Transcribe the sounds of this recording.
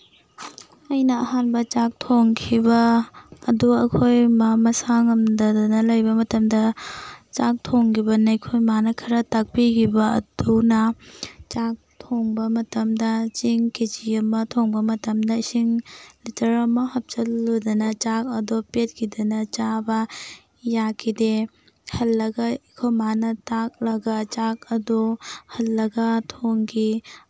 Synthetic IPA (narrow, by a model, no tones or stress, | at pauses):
ɐjnɐɐɦanbɐt͡ʃak̚tʰoŋkʰibɐː | duɐkʰojmamɐsaŋɐmdɐdɐnɐlɐjbɐmɐtɐmdɐt͡ʃak̚tʰoŋkʰibɐnɐjkʰojmanɐkʰɐɾɐtak̚pikʰibɐɐ̰d̥unɐt͡ʃak̚tʰoŋbɐmɐtɐmdɐt͡ʃiŋkid͡ʒiɐmːɐtʰoŋbɐmɐtɐmdɐsiŋlitʰɐɾɐmɐhɐp̚t͡ʃɐlːodɐnɐt͡ʃak̚ɐdopet̚kʰidɐnɐt͡ʃabɐ | jakʰide | hɐlːɐɡɐikʰojmanɐtak̚lɐɡɐt͡ʃak̚ɐdohɐlːɐɡɐtʰoŋɡi